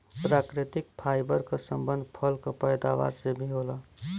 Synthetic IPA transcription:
pɾakɾɪt̪ik̚pʰajbəɾkasəmbənd̪ʱpʰəlkapəjd̪aʋa̰ɾsebʱiɦola

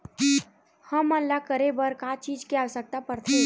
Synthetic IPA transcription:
həmənllakəɾebəɾkat͡ʃiːd͡ʒkiawsək̚t̪apəɾt̪ʰe

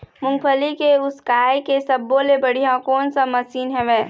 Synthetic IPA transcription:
mʊ̃ŋɡpʰəlikeʊskaːjkesɐbːolebɐɽijãkɔːnsamɐsiːnɦɛ̃ʋẽː

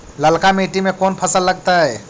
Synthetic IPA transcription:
ləlkamiːʈimẽkɔːnpʰəsəlːəɡ̚t̪aɦɛː

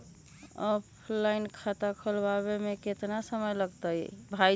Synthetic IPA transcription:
ɔpʰlainkʰat̪akʰəlbaβemeket̪nasəməjləɡt̪əjbʱa

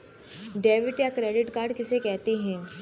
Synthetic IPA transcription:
ɖeːʋɪʈjakɾeːɖɪʈkaːɾɖkɪsekɛɦt̪iɦɛ̃ː

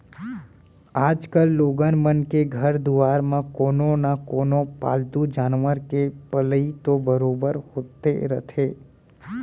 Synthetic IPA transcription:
aːd͡ʒkəlːoːɡənmənkeɡʱəɾd̪uʋaːɾmãkoːnõnakoːnõpa̰ːlt̪ud͡ʒaːnʋəɾkepələit̪obəɾoːbəɾhoːt̪ḛɾə̰t̪ʰeː

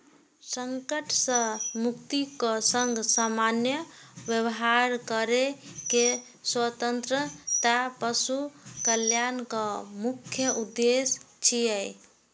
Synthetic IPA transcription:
səŋkəʈʰsə̃mukt̪ikəsəŋɡsamanjəʋjəwɦaɾkəɾeke | swət̪ənt̪ɾət̪apəsukəljankəmukʰjəʔud̪ːes | t͡ʃʰijəj

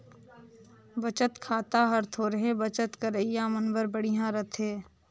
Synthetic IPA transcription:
bət͡ʃət̪kʰaːt̪aɦɐɾt̪ʰoɾɐɦẽbət͡ʃət̪kɐɾəijãmənbəɾbəɽiɦãɾɐt̪ʰeː

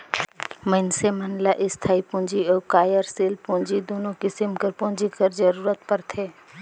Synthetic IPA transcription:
məɪnsemənlaʔɪst̪ʰaːipũːnd͡ʒiɔːkaːjəɾseːlpũːnd͡ʒid̪oːnõkɪsɪmkəɾpõːd͡ʒikəɾd͡ʒəɾuːɾət̪pəɾt̪ʰeː

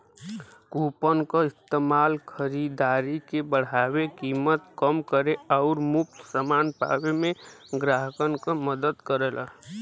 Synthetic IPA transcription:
kuːpənkaɪst̪eːmaːlkʰəɾid̪aːɾikebəɽ̤aːwekiːmət̪kəmkəɾeɔʊɾmʊk̚t̪səmaːnpa̰wemẽɡɾaɦəkənkaməd̪əd̪kəɾeːlʔa̰

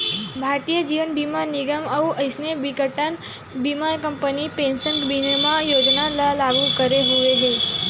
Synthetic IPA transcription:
bʱaɾt̪ijəd͡ʒiʋənbʱimaɾniɡəməuʔəjsnebikəʈən | bimaɾkəmpənipẽnsənkbinəmãjod͡ʒnallaɡukəɾeɦuʋeɦe

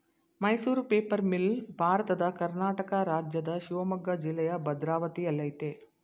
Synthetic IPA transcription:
mɐjsuːɾpeːpɐɾmilbʱaːɾɐt̪ɐd̪ɐkɐɾnaːʈɐkɐɾaːd͡ʒjɐd̪ɐʃiʋɐmɐɡːɐd͡ʒilːɛjɐbɐd̪ɾaːʋɐt̪iɐlːɐjt̪eː

